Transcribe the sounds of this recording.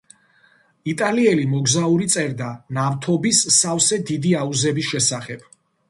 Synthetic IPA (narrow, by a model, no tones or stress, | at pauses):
it̪ʼaliɛlimɔɡzauɾit̪sʼɛɾd̪anavt̪ʰɔbisːafsɛd̪id̪iauzɛbisʃɛsaχɛb̥